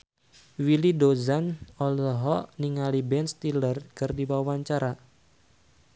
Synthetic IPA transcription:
wilidozanɔlɦɔʔniŋalibɛnst̪ilərkɨrdiwawaɲt͡ʃaɾa

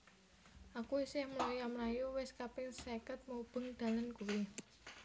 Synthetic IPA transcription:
ʔakuisɪhməlojamɾajuwɪskapɪŋsekət̪̚mub̥ə̤ŋd̪̥a̤lankuwi

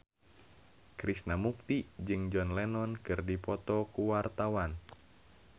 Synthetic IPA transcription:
kɾisnamuk̚t̪id͡ʒɨŋd͡ʒɔnlɛnɔnkɨrdipɔt̪ɔkuwart̪awan

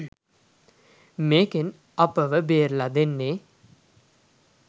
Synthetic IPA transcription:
meːken | apəʋəbeːɾlad̪enːe

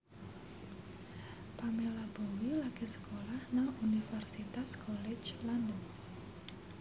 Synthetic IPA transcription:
pamelabowilaɡ̥esə̥kolahnaŋunifɛrsit̪askɔled͡ʒland̪ɔŋ

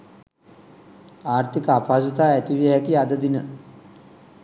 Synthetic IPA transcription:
aːrt̪ikəapaːsut̪aːæt̪iʋiəɦɛkiad̪əd̪inə

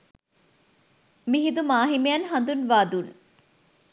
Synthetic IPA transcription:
miɦid̪umaːɦimejɐnɦɐnd̪unʋaːd̪un

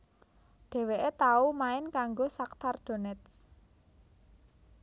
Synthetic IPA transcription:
ɖ̥e̤weʔet̪aumaɪnkaŋɡosak̚t̪arɖ̥o̤nɛt̪s

